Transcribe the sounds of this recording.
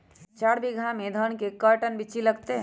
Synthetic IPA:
t͡ʃaːɽbʱiɡʱãmẽd̪ʱənkekəɾʈənbɪt͡ʃilɐɡt̪eɦ

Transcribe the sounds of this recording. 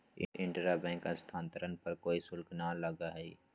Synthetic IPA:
ɪ̰ɪ̃ɳʈɾabɛ̃ːŋkãst̪ʰãːnt̪əɾənpɐɾkoːisʊlknaləɡaɦɛi

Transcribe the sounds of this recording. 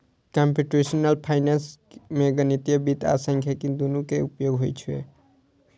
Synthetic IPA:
kampjuʈɾesnəlpʰajnans | meɡənit̪ijəbit̪a̰səŋkʰjakid̪onukeupjoɡɦojt͡ʃʰuḛ

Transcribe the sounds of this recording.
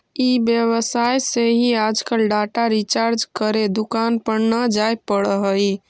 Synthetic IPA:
ibjeβəsajseɦiad͡ʒkəlɖaʈaɾit͡ʃaɾd͡ʒkəɾed̪ukanpəɾnəd͡ʒajpəɽəɦəj

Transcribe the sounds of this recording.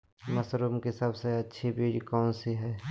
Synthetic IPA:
mɐsɾuːmkesɐbseɐtːʃʰibiːɽkɔːnsiɦɛː

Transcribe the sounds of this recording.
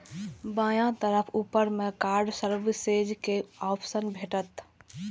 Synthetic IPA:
bãːjãt̪əɾəpʰuːpəɾmẽkaːɾɖsəɾbsed͡ʒkeɔːpʰsənbʱeːʈət̪

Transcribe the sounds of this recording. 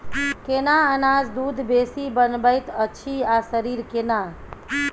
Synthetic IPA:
kenaənad͡ʒd̪ud̪ʱbesibənbəjt̪ət͡ʃʰiasəɾiɾkena

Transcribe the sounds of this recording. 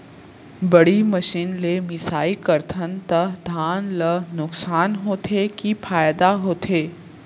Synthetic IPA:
bəɽiməʃiːnlemɪsaːikəɾt̪ʰənt̪əd̪ʱaːnlənʊksaːnɦoːt̪ʰekifʰaːjd̪aɦoːt̪ʰeː

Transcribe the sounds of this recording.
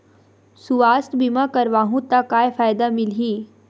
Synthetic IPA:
suʋaːst̪bimakəɾʋaːɦũt̪akaːjfaːjd̪amɪlɦiː

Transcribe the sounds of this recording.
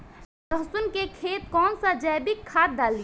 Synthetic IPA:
d̪əɦsʊnkekʰeːt̪̚kɔːnsad͡ʒɛjbɪkʰːaːt̪̚d̪aːli

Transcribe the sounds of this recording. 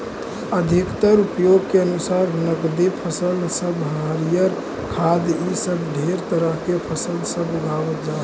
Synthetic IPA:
əd̪ʱikt̪əɾupjoɡkeənusaɾnəkd̪ipʰəsəlsəbɦaɾijəɾ | kʰad̪isəbɖʱeɾt̪əɾəɦkepʰəsəlsəbuɡʱaʋət̪d͡ʒa

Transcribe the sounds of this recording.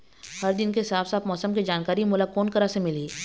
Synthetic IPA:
hɐɾd̪ɪnkesaːfsaːpmɔːsəmkid͡ʒaːnkaːɾimʊːlakoːnkəɾasemɪliː

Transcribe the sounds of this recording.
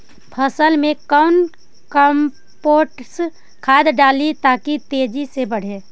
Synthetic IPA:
pʰəsəlmẽkəʊn | kəm | poʈs | kʰaːd̪ɖaːlit̪akit̪ed͡ʒisebəɽ̤e

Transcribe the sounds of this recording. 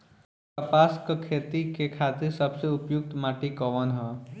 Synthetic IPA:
kəpaskəkʰet̪ikekʰat̪iɾsəbseupjuk̚t̪maʈikɔʋənɦə

